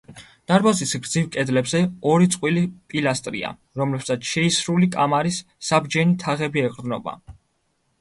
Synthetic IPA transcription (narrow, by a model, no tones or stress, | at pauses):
d̪̥aɾbazisɡɾd̪zivkʼɛd̪lɛbzɛɔɾit̪sʼqʼwilipʼilast̪ʼɾḭa̰ | ɾɔmlɛbsat̪sʃɛisɾulikʼamaɾisː | abd͡ʒɛnit̪ʰaʁɛbiɛqʼɾd̪nɔba̰